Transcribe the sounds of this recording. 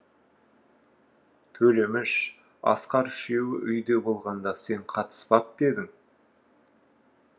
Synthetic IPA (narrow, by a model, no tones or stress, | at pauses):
t̪ʰɵle̞mɪʃ | ɑ̰sqɑɾʃe̞wɪʔʏjd̪e̞bo̞lˠʁɑnd̪ɑse̞ɴqʰɑt̪ə̥spɑp̚be̞d̪ɪŋ